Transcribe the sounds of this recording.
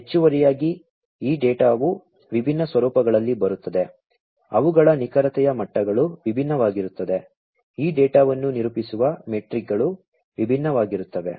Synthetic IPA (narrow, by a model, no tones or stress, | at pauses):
ɦet͡ʃːuʋɐɾijaːɡi | iːɖɛːʈaːʋu | ʋibʱinːɐsʋɐɾuːpɐɡɐɭɐlːibɐɾut̪ːɐd̪e̞ | ɐʋuɡɐɭɐnikɐɾɐt̪ɛjɐmɐʈːɐɡɐɭuʋibʱinːɐʋaːɡiɾut̪ːɐd̪e̞ | iːɖɛːʈaːʋɐnːuniɾupisuʋɐmeʈɾik̚ɡɐɭu | ʋibʱinːɐʋaːɡiɾut̪ːɐʋe̞̰